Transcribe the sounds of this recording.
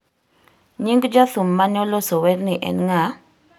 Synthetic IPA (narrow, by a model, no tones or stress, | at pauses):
ɲiŋɡd͡ʒaθumːanɔlɔsowɛɾniʔɛ̰nŋa